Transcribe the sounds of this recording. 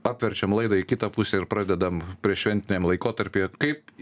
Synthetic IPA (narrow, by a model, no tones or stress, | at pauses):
ɑːpʲʋʲɛɾʲt͡ʃʲɛmlˠɐɪd̪ɐɪkʲɪt̪ɐpusʲɛɪɾpɾɑːd̪ʲɛd̪ɐmpʲɾʲiɛʃʲʋʲɛnʲt̪ʲɪnʲɛmlˠɐɪkoːt̪ɐɾʲpʲekɐɪp